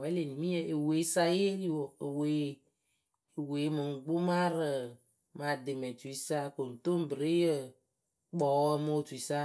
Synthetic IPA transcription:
ɛ˨˦le˨nĩ˨mĩ˦e˦˨ʔe˨we˨˦sa˦je˦li˦wo˨e˨we˨˦ | e˨we˨˦mɨ˨ŋ̩˨ɡ͡bo˦mã˦ɾə˨ | ma˨de˨me˨tu˨i˦sa˦ko˨n˨t̪o˦m̩˦bɾe˦je˦ | k͡pɔ˨˦ɛ˦mo˦o˦˨tu˨i˨sa˦

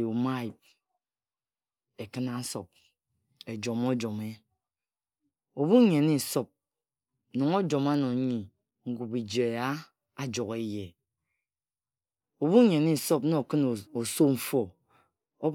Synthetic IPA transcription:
u˨ma˦i˨p̚ | e˨kɨ˦na˦so˨p̚ | e˨d͡ʒo˨m˦o˦d͡ʒɔ˨me˦ | o˨βu˦ɲe˨ni˦˨so˦p̚ | nɔ˨ŋo˦d͡ʒo˨ma˦nɔ˨˦ɲi˨ | ŋ̩˦ɡu˨bi˨d͡ʒe˨a˦ | a˦d͡ʒɔ˨ke˦je˨ | o˨βu˦ɲe˨ni˦˨sɔ˦pno˦˨kɨ˦n˨o˨so˦ɱ̩˦˨fo˦ | o˦

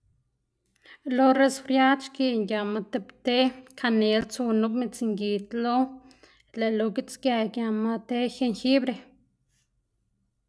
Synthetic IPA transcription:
lo˧re˧sfɾja˦t͡ʃki˧ŋɡja˨ma˧t̪e˧pt̪e˦kʰa˧ne˨lt͡su˧nu˦bme˧t͡si˧ŋɡi˨t̪lo˦ | le˨lo˧ɡi˦t͡sɡja˧˨ɡja˧ma˧t̪e˦xe˧ŋxi˦bɾe˧

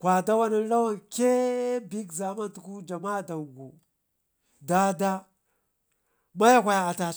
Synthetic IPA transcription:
kʷa˨da˦wa˦na˦n˦la˦wa˦˨nke˦bi˦kza˨ma˦ntu˨ku˦d͡ʒa˨ma˦˨da˨ŋɡu˨ | da˦da˦ | ma˦ja˦kʷa˨ja˨a˨ta˨

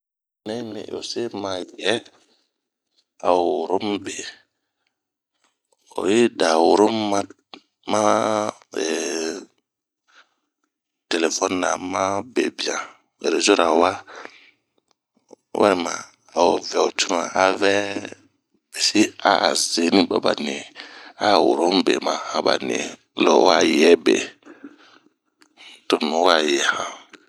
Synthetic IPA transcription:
nɛ̃˦nḭ̃˨o̰˨se˦mã˨jɛ˦ | a˨wowwʊ˨ɾo˦m˦be˨ | o̰˨je˦da˨wʊ˨ɾo˦m˦a˦ | mã˦ | ɛ˨ | te˨le˨fɔ˦n˦nã̰˨mã˦bḛ˨bi˨ã˨ | ḛ˨ɾe˨zo˦ɾa˨wa˦ | wɛ̰˦ɾi˦˨mã˨ | a˨wo˨vɛ˨o˨tʰu˦nã˨a˨vɛ˦ | bɛ˨si˦a˦˨ze˨˦nĩ˦ba˦ba˨nẽ˨a˦˨wo˨ɾõ˦m˦bḛ˨mã˨hã˨ba̰˨nḛ̃˨ | lɔ̰˨w̰a˦˨jɛ˦bḛ˨ | to˨nũ˨˦a˨jɛ˨hã˨

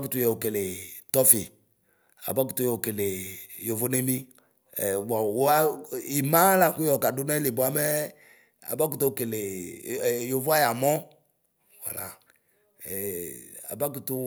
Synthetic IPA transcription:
ku˨tu˨jɛ˨o˨ke˨le˨tɔ˦fi˨ | a̰˨ba˦ku˨tu˦jɛ˨o˨ke˨le˨jo˨vo˦ne˦mḭ̃˦˨ | wa˨wa˦i˨mã˦la˨ku˦jɔ˨ka˨du˦nɛ˦li˨bʊ˨˦a˦mɛ˦ | a̰˨ba˦k̬u˦˨to˦˨ke˨le˨ | jo˨vo˦a˦ja˨mɔ˦ | wa̰˨la̰˨ | ɛ˨a̰˨ba˦k̬u˨tu˦

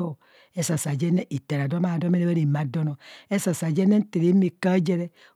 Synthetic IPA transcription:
o˦ | e˦sa˨sa˨d͡ʒɛ˦ne˦ʔi˨te˨ɾa˨do˦ma˦˨do˦e˦ne˦be˦ɾi˨ma˨do˦nɔ˨e˦sa˨sa˨d͡ʒe˦ne˦n̩˦te˨ɾe˨˦mi˨ka˦d͡ʒe˦ɾɛ˦

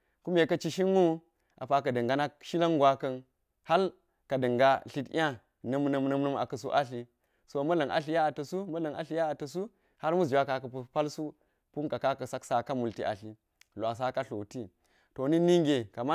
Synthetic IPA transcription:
ku˦me˨kɐ˦t͡ʃi˦ʃi˦ŋːu˦ | ʔa̰˨pa˨k̬ɐ˨də˨ŋɡa˨na˦ʃi˦la˦ŋɡʷwa˦kɐ˦n | ha˦l | ka˨də˨ŋɡa˦ɬi˦ta˦ | nə˦mnə˨mnə˦mnə˦ma̰˨kɐ˨su˦ʔa˦ɬi˨ | so˨mɐ˦lɐ˨ŋʔa̰˨ɬi˨˦ja˦a˨tɐ˨su˦mɐ˦lɐ˨ŋa̰˨ɬi˨˦ja˦a˨tɐ˨s̬u˦ | ha˦ɾmu˦sd͡ʒi˨wa˦ka˨kɐ˨pu˨pa˦lsu˦ | pu˦nka˨ka˦kɐ˨sa˦ksa˨ka˦mu˨lti˦ʔa̰˨ɬi˨ | lʷa˨s̬a˦ka˦ɬo˨ti˦ | to˨ni˦ni˦ŋɡe˨ka˨ma˦

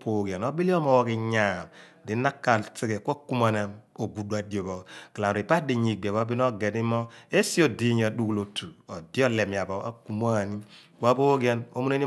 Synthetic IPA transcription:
po˦˨ɡje˨no˦bi˦li˦o˦mɔ˨wɔ˦ki˨ɲa˨m | di˨˦na˦kːa˨lt͡si˦ke˨kʷa˦ku˦m˦a˨na˨mo˨ɡu˨da˨djo˨bo˨ki˨la˨ɾi˨pa˦di˨ɲi˨ɡ͡be˨βo˦bi˦n˦o˦ɡɛ˨ni˦mɔ˦e˦si˦o˨di˦˨ɲ˨a˨du˦ku˨lo˨tu˨o˨di˦ɔ˦le˨mi˨a˨bo˨a̰˦ku˨m˦a˦˨ni˦ka˦bo˦ɡɛ˦no̰˦mu˦ne˦ni˦

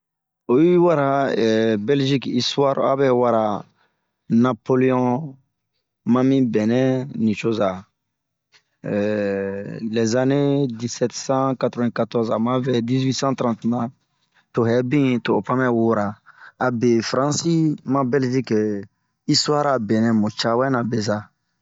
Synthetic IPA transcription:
o˨ji˦wa˦ɾa˨bɛ˦lʒi˦ki˦swa˦ɾa̰˦bɛ˦wa˦ɾa˨ | na˨pole˦ɔ̃˦ | mã˦mĩ˦bɛ˨nɛ̃˦nĩ˨ʃo˦za˨ | lɛ˨za˨ne˦di˦sɛtsã˦katɾovɛ̃˨katɔ˦ɾza˨mã˦vɛ˦di˦zwi˦sã˦t̪ɾã˦ntnã˨ | to˨ɦɛ˨bĩ˦to˨pã˦mɛ˦wo˦ɾa˨a˨be˨fɾã˦si˦mã˦bɛ˦lʒi˦k | i˦swa˦ɾa˨bɛ̃˨nɛ̃˨mõ˨t͡ʃa˦wɛ˦nã˨bɛ˨za˨

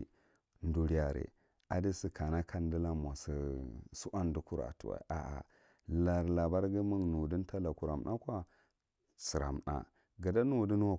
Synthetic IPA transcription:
ndu˨ɾi˦ja˨ɾḛ˨ | a˨di˦si˨ka˨na˦kʰa˦n˦di˦la˦m˨a˨si˨su˦ʔa˦n˦du˦ku˦ɾa̰˨tu˨wa̰˨ʔa̰˨ʔa̰˨ | la˨ɾla˨ba˦ɾɡə˦mu˦ŋnu˨di˦n˦ta˦la˨ku˨ɾa˨m˨nʔa˦kʷa˦ | si˨ɾa̰˨mna̰˨ | ɡa˨da˦nu˦˨di˦n˦wa˦

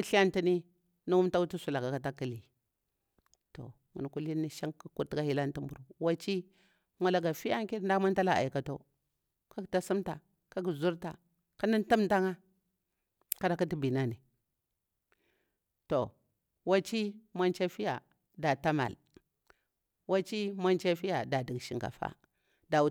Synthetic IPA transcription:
a˦ɬi˦a˦nti˦ni˦ | nu˦wu˦mta˦u˦tu˦su˨la˨ka˨ka˨ta˦ki˦li˨ | to̰˨ | mṵ˨n˨ku˦li˦ni˦ʃa˦ŋku˦ku˦ɾti˦ɡa˦hi˦la˦n˦ti˦mbu˨ɾu˨wa˦t͡ʃi˦ | mʷa˨la˨ɡa˨fi˦ja˦ŋ˦ki˦ɾn˦da˦ma˦n˦ta˦la˨ʔa̰˨i˨ka˨to̰˦ | ka˦kta˦su˦mta˨ | ka˦ɡu˨zu˦ɾta̰˨ | ka˦ni˦nti˦mta˦ŋa˦ | ka˦ɾa˨ka˦ti˦bi˨na˦ni˨ | to˨ | wa˦t͡ʃi˦ma˦nt͡ʃa˦fi˦ja̰˨ | da˨ta˦ma̰˨l | wa˦t͡ʃi˦ma˦nt͡ʃa˦fi˦ja˨da˨di˨ɡʃi˨ŋka̰˨fa̰˦ | da˨

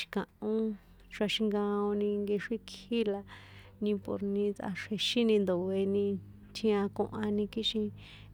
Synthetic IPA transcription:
ʃi̥˧kã˨ʔõ˦ | t͡ʃa˧ʃĩ˧ŋɡã˧õ˧nĩ˧ŋɡe˧ʂi˦ki˦la˧nĩ˧po̰˧ɾnĩ˧t͡sʔa̰˧ʂe˧ʃĩ˦nĩ˧nd̪o˨we˧nĩ˧ | t̪ʰĩ˧ã˧kõ̰˧ʔã˧nĩ˧ki˦ʃĩ˧

